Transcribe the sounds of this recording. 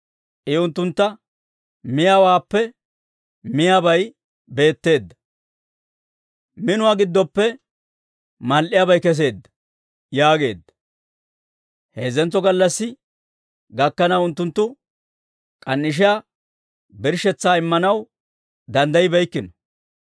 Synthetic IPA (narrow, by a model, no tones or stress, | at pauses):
ʔɪʊnt̪ːʊnt̪ːɐ | mɪjaːwaːpːɛ | mɪjaːbɐj | be̞ːt̪ːe̞ːd̪ːɐ̥ | mɪnʊwaːɡɪd̪ːɔpːɛ | mɐlʔɪjaːbɐjkɛs̬e̞ːd̪ːɐ̥ | jaːɡe̞ːd̪ːɐ̥ | heːzɛnt͡sːɔɡɐlːɐsːɪ | ɡɐkːɐnɐwʊnt̪ːʊnt̪ːʊ | kʼɐnːɪʃ̬ɪjaː | bɪɾʃɛt͡sːaːɪmːɐnɐw | d̪ɐnd̪ɐjɪbɛjkːɪnɔ